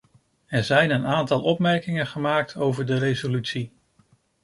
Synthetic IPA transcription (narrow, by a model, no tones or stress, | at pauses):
ɛɹzɛjnənaːntɑlˠɔpmɛɹkɪŋənχəmaːk̚tʰowvəɹdəɾejzolytsi